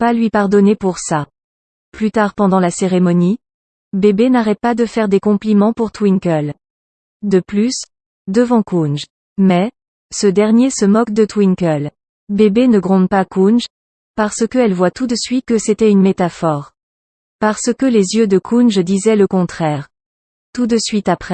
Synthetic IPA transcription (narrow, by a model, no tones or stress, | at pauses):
palɥipaʁd̪ɔnepuʁsa | plyt̪aʁpɑ̃d̪ɑ̃laseʁemɔni | bebenaʁɛt̪̚pad̪əfɛʁd̪ekɔ̃plimɑ̃puʁt̪wiŋkœl | d̪əplys | d̪əvɑ̃kunʒ | mɛ | səd̪ɛʁnjesəmɔkd̪ət̪wiŋkəl | bebenəɡʁɔ̃d̪pakunʒ | paʁsəkəɛlvwat̪ud̪əsɥit̪̚kəset̪ɛynmet̪afɔʁ | paʁsəkəlezjød̪əkʰunʒd̪izɛləkɔ̃t̪χɛʁ | t̪ud̪əsɥit̪apχɛ